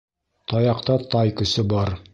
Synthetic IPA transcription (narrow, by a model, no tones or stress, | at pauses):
t̪ɑjɑqt̪ɑt̪ɑjkɵ̆sɘbɑɾ